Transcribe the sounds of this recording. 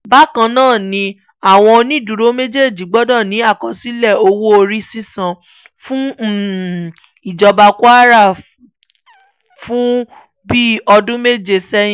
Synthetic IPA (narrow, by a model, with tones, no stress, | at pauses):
ba˦kã˧nãː˦˨nĩ˧ | a˦˨w̃ɔ̃˧nĩ˦˨du˨ɾo˨˦me˦d͡ʒe˦˨d͡ʒi˨˦ɡ͡bɔ˦dɔ̃˦˨nĩ˨˦a˦˨kɔ˨si˨˦lɛ˦˨o˧wo˦o˧ɾi˦sĩ˦sã˧ | fũ˦˨ | i˨d͡ʒɔ˧ba˧ku˦a˦ɾa˦˨ | fũ˦ | bi˦ɔ˧dũ˦me˦d͡ʒe˧sɛ˦jĩ˦˨